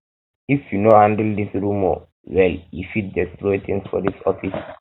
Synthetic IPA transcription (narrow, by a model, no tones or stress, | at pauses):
ifjunohãndldisɹũmɔ̰ | wɛljufit̚dɛstɹɔt̪ĩŋsfɔ̰disɔfis